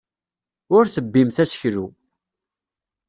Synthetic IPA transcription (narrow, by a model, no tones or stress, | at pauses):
ʊɾθəbːimθæsçɾu